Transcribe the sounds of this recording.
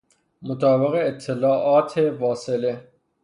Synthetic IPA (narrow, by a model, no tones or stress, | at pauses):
mot̪ʰɑːbeɣeːt̪ʰːelɑːʔɒːt̪ʰefɑːsele